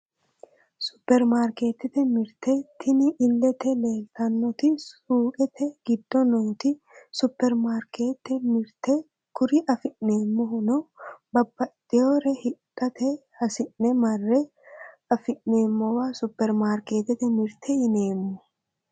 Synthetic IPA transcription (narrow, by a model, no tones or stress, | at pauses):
sʊpːɛɾmaːɾke̞ːt̪ːɛt̪ɛmɪɾt̪ːɛt̪ʰːɪnɪʔːlːɛt̪ɛle̞ːlt̪ɐnːɔt̪ɪsuːkʼɛt̪ʰɛɡɪd̪ːɔnoːt̪ɪ | sʊpːɛɾmaːɾkʰeːt̪ːɛmɪɾt̪ɛ | kʊɾɪʔɐfɪʔneːmːɔhʊnɔbɐbːɐt̪ʼɪjoːɾɛhɪkʼːɐt̪ɛhɐsɪʔnɛmɐrːɛ | ɐfɪʔne̞ːmːɔwaːsʊpːɛɾmaːɾke̞ːt̪ɛt̪ɛmɪɾt̪ʰɛɪneːmːɔ